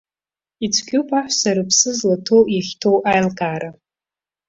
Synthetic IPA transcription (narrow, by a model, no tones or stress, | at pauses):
it͡sʷʰɡʲopʰʼaħʷsaɾɨpʰsɨzlatʰowjaχʲtʰo̞wʔajlkʼaːɾa